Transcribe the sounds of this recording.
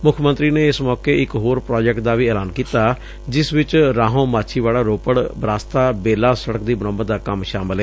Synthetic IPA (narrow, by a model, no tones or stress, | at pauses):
mʊkʰmə̃nt̪ɾiːneːɪsmɔːkeːɪkɦoːɾpɾaːd͡ʒɛkʈ̚d̪aːʋiːɛːlaːnkiːt̪aː | d͡ʒɪsʋɪt͡ʃɾaːɦõːmaːt͡ʃʰiːʋaːɽaːɾoːpəɽbɾaːst̪aːbeːlaːsəɽək̚d̪iːbənɔ̃ːmət̪d̪aːkəmʃaːmɪleː